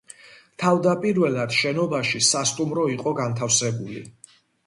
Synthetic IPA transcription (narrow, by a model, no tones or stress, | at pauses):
t̪ʰavd̪apʼiɾvɛlˠad̪̥ʃɛnɔbaʃisast̪ʼumɾɔiqʼɔɡant̪ʰafsɛbulḭ